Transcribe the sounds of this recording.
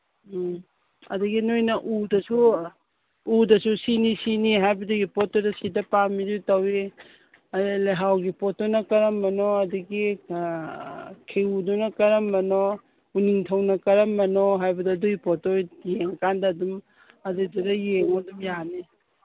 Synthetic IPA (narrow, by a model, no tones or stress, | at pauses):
ɐ̰duɡinojnɐʔudɐsu | udɐsusinisiniɦajbɐdɐɡipotːodɐsidɐpamiditɐwi | leɦawɡipotːonɐkɐɾɐmːɐnoɐduɡi | kʰeudunɐkɐɾɐmːɐno | uniŋtʰɐwnɐkɐɾɐmːɐnoɦajbɐdɐduɡipotojjeŋkandɐːdum | ɐdududɐjeŋodumjani